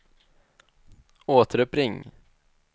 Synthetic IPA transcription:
oːt̪ʰəɾɵpɾɪŋ

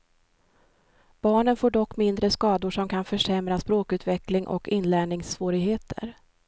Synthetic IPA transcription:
b̥ɑːɳənfoːɖɔkːmɪnd̪ɾəskɑːd̪ʊʂɔmkʰanfœʂɛmɾaspɾoːkʉ̟ːt̪vɛklɪŋʔɔ̰kɪnːlæːɳɪŋsvoːɾɪɡɦeːt̪ʰə̰ɾ

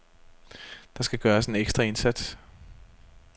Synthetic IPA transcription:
d̥ɑ̈sɡ̥æɡ̥ɶːɐse̝neɡ̥sd̥ʁɑ̈e̝nsæd̥s

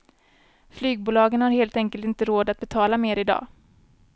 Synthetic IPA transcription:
flyːɡ̚buːlɑːɡənhaɾheːlt̪ɛŋkəlt̪ɪnt̪əɾoːd̪at̪̚bɛt̪ʰɑːlameːɾɪd̪ɑ̰ː

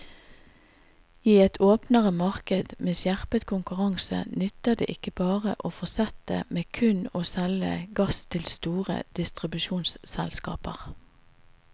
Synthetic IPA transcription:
iːɛt̪ʰoːpnəʁəmɑʁkəd̪meːsjæʁpət̪kʰʊŋkʉʁɑŋsə̰nʏt̪əd̪ḛːʔɪkəbɑːʁə̰ʔoːfɔsɛt̪ə̰meːkʰʉnoːsɛlə̰ɡɑst̪ʰɪlst̪uːʁə̰d̪̥ɪst̪ʁɪbʉʃuːnssɛlskɑ̰ːpəʁ

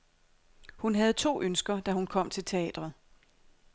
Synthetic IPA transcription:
hunɦæð̞̩ˠt͡sʰo̝̰ːʔønsɡ̥ɐd̥æhunkʰɒ̽m̰t͡sʰe̝lt͡sʰe̝ɛ̰ːd̥ʁɐð̩ˠ

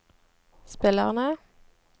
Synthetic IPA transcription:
spɪlə̰ʁnə

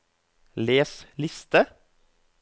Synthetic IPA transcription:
leːslɪst̪ə

